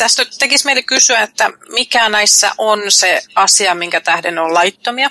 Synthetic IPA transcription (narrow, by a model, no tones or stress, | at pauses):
t̪æst̪æt̪ekismeilekysyæet̪ːæmikænæisːɑ̰ʔonseɑsiɑmiŋkæt̪ɑhdenollɑjt̪ːomiɑ